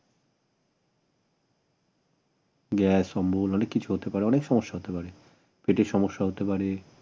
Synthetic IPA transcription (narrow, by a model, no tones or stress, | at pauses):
ɡɛsɔmbʱolɔnekːit͡ɕʰuɦot̪epaɾeɔnekʃɔmoʃːaɦot̪epaɾe | peʈeʃɔmoʃːaɦot̪epaɾe